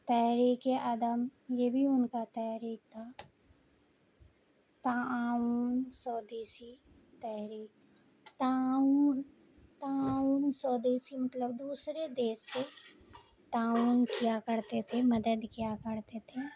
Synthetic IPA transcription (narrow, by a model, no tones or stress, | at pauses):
t̪ɛːɾiːkeʔaːd̪əmjebʱiʊnkat̪ɛːɾiːk̚t̪ʰaː | t̪aːuːnsɔːd̪eːsi | t̪ɛːɦɾiːk | t̪aːuːn | t̪aːuːnsɔːd̪eːʃimət̪ləbd̪uːsɾed̪eːsːe | t̪aːuːnkjakəɾt̪et̪ʰeməd̪əd̪kjakəɾt̪et̪ʰe